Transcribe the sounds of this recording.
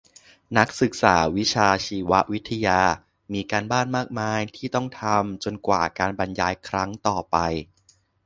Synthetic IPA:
na˦˥k̚sɯ˨˩k̚sa̰ː˩˦wi˦˥t͡ɕʰaː˧t͡ɕʰiː˧wa˦˥ʔwi˦˥t̪ʰːa˧jaː˧ | miː˧kaː˧nbaː˥˩nmaː˥˩k̚maː˧˥jt̪ʰiː˥˩t̪ɔ˥˩ŋt̪ʰa˧mt͡ɕo˧nkwa̰ː˨˩kaː˧nba˧njaː˧jkʰɾa˦˥ŋt̪ɔː˨˩pa˧j

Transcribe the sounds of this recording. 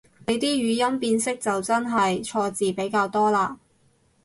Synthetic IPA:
le˨˧jt̪iː˥ɥyː˨˧jɐ˥mpiː˧nsɪ˥k̚t͡sɐ˨wt͡sɐ˥nɦɐ˨jt͡ʃʰɔː˧t͡siː˨pe˨˥jkaː˧wt̪ɔː˥laː˧

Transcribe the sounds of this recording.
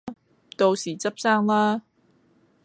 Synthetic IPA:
t̪o˧wsiː˨˩t͡sɐ˥p̚saː˥ŋlaː˥

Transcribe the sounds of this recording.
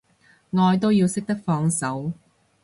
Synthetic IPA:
ŋɔː˧jt̪̬o˥wjiː˧wsɪ˥k̚t̪ɐ˥k̚fɔː˧ŋsɐ˨˥w

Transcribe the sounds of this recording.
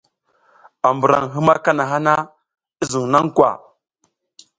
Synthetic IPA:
a˨mbu˨ɾa˨ŋɦi˦ma˦ka˦na˨ɦa˦na˦ | i˦zu˨ŋ˨na˦ŋkwa̰˨

